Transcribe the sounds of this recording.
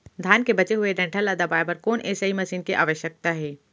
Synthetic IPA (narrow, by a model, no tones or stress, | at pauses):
d̪ʱaːnkebɐt͡ʃeɦʊeɖɛ̃ɳʈʰəlaːd̪abaːjpɐɾkoːnʔeːsaimɐsiːnkeʔa̰ːʋəʃjək̚t̪aɦɛː